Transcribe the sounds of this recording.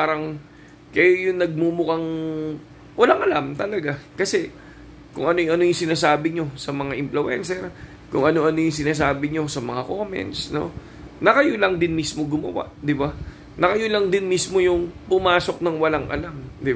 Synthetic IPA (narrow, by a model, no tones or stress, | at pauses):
paːɾɐŋ | kɐjojʊŋnɐɡ̚mumʊkaŋ | wɐlaŋʔɐlamt̪ɐlɐɡakɐsɛ | kʊŋʔɐnojŋɐno̞jʊŋsɪnaːsaːbɪɲo̞sɐmɐŋaʔɪmplʊʔɛ̰nsɛɾ | kʊŋʔɐno̞ʔɐno̞jʊŋs̬ɪnaːs̬aːbɪɲo̞sɐmɐŋako̞mɛ̰nt̪sno̞̰ | nɐkɐjolɐŋd̪ɪnmismoɡʊmɐ̰wa̰ʔd̪ɪba | nɐkɐjolɐŋd̪ɪnmismo̞jʊŋpʊmaːso̞k̚nɐŋwɐlaŋʔɐ̰lamd̪ɪ